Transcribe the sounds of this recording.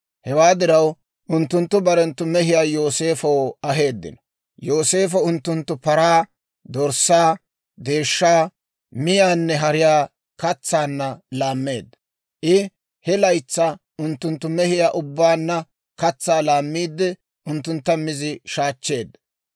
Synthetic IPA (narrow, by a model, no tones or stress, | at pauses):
hɛwaːd̪ɪɾɐw | ʔʊnt̪ːʊnt̪ːʊbɐɾɛnt̪ːʊmɛɦɪjaːjo̞ːse̞ːfɐwɐɦe̞ːd̪ːɪ̰nɔ | jo̞ːse̞ːfɔʊnt̪ːʊnt̪ːʊpɐɾaː | d̪ɔɾsːaː | d̪e̞ːʃːaː | mɪjaːnːɛɦɐɾɪjaː | kɐt͡sːaːnːɐlaːmːe̞ːd̪ːɐ | ʔɪ | hɛlɐjt͡sːɐ | ʔʊnt̪ːʊnt̪ːʊmɛhɪjaːʔʊbːaːnːɐ | kɐt͡sːaːlaːmːiːd̪ːɛ | ʔʊnt̪ːʊnt̪ːɐmɪzɪʃaːt͡ʃːe̞ːd̪ːɐ